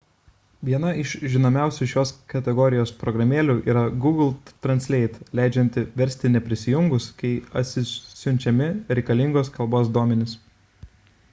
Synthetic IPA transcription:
ʋʲiɛnɐɪʃʒʲɪnoːmʲæˑʊsʲuʃʲoːskɐt̪ʲɛɡɔɾʲɪjoːspɾɔɡɾɐmʲeːlʲuːʔḭːɾɐɡuːɡlˠt̪ɾɐnʲsʲlʲɛɪt̪lʲæˑɪd͡ʒʲɛnʲt̪ʲɪʋʲɛɾʲˑsʲt̪ʲɪnʲɛpʲɾʲɪsʲɪjʊŋɡʊskɐɪɐ̰t̪ʲsʲɪsʲʊnʲt͡ʃʲɛmʲɪɾʲɛɪkɐlʲɪŋɡoːskɐlˠboːs̬d̪uɔmʲɛnʲɪs

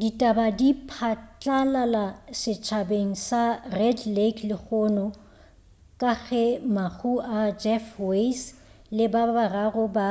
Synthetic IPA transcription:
ditʼabadipʰat͡ɬʼalalasɪt͡ʃʰabeŋ̩sarɛdlekʰlɪk͡xʰʊːnɔ | kʼaɣɛmak͡xʰuad͡ʒɛfwes | lɪbabararʊba

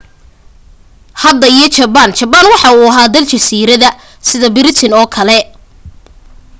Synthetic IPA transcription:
hɐd̪ɐijɞt͡ʃɐbant͡ʃɐbanwɑħɑuːɐɦaːd̪ɐlt͡ʃɐsiːɾɐðɐ | sɪðɐbɪɾɪt̪ʰɪnɔːkʰɐlɛ

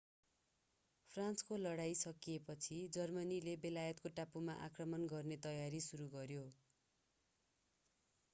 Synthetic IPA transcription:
pʰrãnskolʌɽajsʌkiepʌt͡sʰid͡zʌrmʌnilebelajʌt̪̚koʈapumaʔa̰krʌmʌnɡʌrnet̪ʌjaɾisuɾuɡʌɾjo

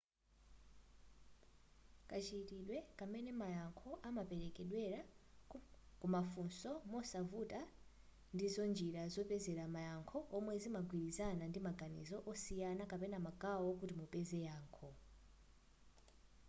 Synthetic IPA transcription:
kʼat͡ʃitiɗwɛkamɛnɛmajaŋkʰɔʔamapɛɾɛkɛɗwɛɾa | kumafunsɔmɔsavuta | ndizɔnd͡ʒiɾazɔpɛzɛɾamajaŋkʰɔʔɔmwɛzimaɡwiɾizanandimaɡanḭzɔʔɔsijanakapɛnamakʼawɔkutimupɛzɛjaːŋkʰɔ

